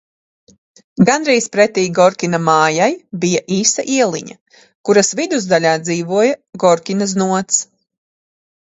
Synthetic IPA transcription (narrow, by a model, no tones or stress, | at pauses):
ɡanɾiːspɾɛt̪iːɡɔɾkʲinamaːjajbijaʔiːsaʔiɛlˠiɲa̰ | kuɾasvid̪uzd̪aʎʲaːd̪ziːvuɔjaɡɔɾkʲinaznuɔt̪s